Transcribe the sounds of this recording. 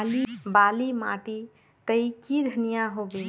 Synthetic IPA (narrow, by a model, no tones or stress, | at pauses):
libalima̰ʈi | t̪əikid̪ʱənijaɦobe